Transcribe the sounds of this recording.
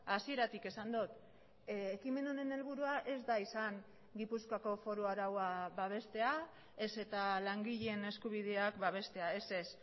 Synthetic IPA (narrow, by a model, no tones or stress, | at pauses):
asie̞ɾat̪ike̞sand̪ut̪ | ekime̞no̞ne̞ne̞lβ̞uɾuaʔe̞zd̪aisaŋ | ɡipuskako̞fo̞ɾoaɾawaβaβ̞e̞st̪e̞a | e̞se̞t̪alaŋɡiʎe̞ne̞skuβ̞ið̞e̞akbaβ̞e̞st̪e̞ae̞se̞s